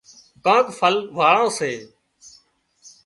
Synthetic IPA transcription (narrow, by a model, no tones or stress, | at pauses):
kãːkfʰəlʋaːɭãːseː